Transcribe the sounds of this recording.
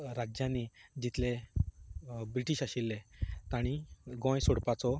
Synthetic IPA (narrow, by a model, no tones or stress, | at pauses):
ɾad͡ʑjãnid͡ʑit̪le | bɾiʈiɕaɕilːet̪aɽ̃iɡɔ̃jsuɽpat͡sɔ